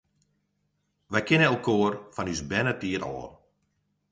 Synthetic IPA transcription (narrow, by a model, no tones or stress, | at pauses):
ʋɛjkɪnəɛlˠkʰoːərfɔnysbɛnətiəɾɔ̰ː